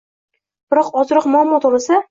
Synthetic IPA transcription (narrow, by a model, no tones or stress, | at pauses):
b̥ɪɾɒqɒzɾɨqmʊamːɒt̪ʰɒbasɪ